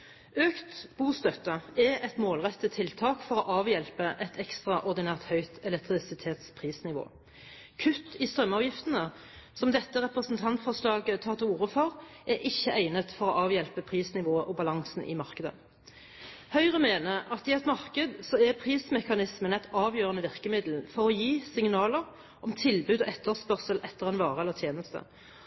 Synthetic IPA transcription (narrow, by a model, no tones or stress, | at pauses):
øːkt̪b̥uːst̪œt̪ːəɛɛt̪moːlʁɛt̪ːət̪ʰːɪlt̪ʰɑːkfɔʁɔʔɑːʋjɛlpəʔɛt̪ʰɛkst̪ʁɑʔɔʁd̪ɪnæːʁt̪hœʏt̪ʰɛlɛk̚t̪ʁɪsɪt̪ʰeːt̪spʰʁiːsnɪʋo̰ː | kʰʉt̪ːiːst̪ʁœmːɑːʋjɪft̪ənə | sɔmd̪ɛt̪ːəʁɛpʁəsnt̪ʰɑnt̪fɔʁʂlɑːɡət̪ʰɑːʁt̪ʰɪuːʁəfɔʁʔæʔɪçːəʔæɪnət̪fɔʁɔʔɑːʋjɛlpəpʰʁiːsnɪʋoːəʔɔbɑlɑŋsn̩ʔɪ̰mɑʁkəd̪ə̰ | hœʏʁəmeːnəʔɑt̪ɪɛɪt̪mɑʁkəd̪sɔɛpʰʁiːsmɛkɑnɪsmənɛɪt̪ɑːʋjøːʁənəʋɪʁkəmɪd̪l̩fɔʁɔjiːsɪŋnɑːləʁ | ʔɔmt̪ʰɪlbʉːd̪ɔʔɛt̪ːəʁspœʁsəlʔɛt̪ːəʁɛnʋɑːʁəɛlːəʁt̪ʰjeːnəst̪ə̰